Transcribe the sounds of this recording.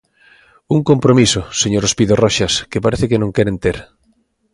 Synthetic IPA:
uŋkompɾomisoseɲoɾospiðorɔʃaskepaɾeθekenõŋkɛɾent̪eɾ

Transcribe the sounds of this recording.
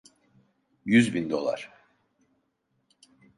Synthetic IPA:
jyzbind̪o̞̰lˠa̰ɾ̥

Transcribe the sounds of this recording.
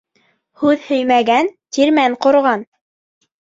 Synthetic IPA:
hʉðhɵjmæɡænt̪iɾmæɴqŏɾʁɑn

